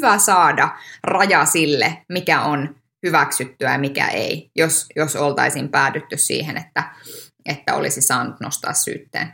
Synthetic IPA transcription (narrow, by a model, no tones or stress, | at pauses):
ʋæsɑːdɑrɑjɑsilːemikæon | hyʋæksyt̪ːyæmikæ̰ʔḛijosjosolt̪ɑ̰isiːmpæːt̪yt̪ːyssḭːhenet̪ːæ | ʔet̪ːæ̰o̰lisisɑːnːut̪no̰st̪ɑ̰ːssy̰ːt̪ːḛːn